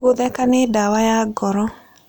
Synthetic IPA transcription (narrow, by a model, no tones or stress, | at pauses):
oðɛkanedawajaɡɔɾɔ